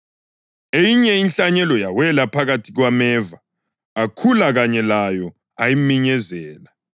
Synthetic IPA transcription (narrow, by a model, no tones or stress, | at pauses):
ejiɲɛinɬaɲɛlɔjawɛlapʰaɣatʰiɣwamɛːva | ɣakʰulaɣaɲɛlajɔ | ajimiɲɛzɛːla